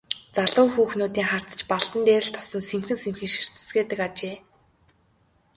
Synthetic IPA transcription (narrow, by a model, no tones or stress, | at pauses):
t͡saɮʊːxuːxnuːt̪iːŋχar̥t͡sə̥̆t͡ɕpaɮt̪ə̆nt̪eːɾɘ̆ɬt̪ʰɔ̥sɞ̆nsemxɘ̆nsemxɘ̆nʃi̥r̥t̪ɘ̥̆sɡeːt̪ɘ̆kat͡ɕeː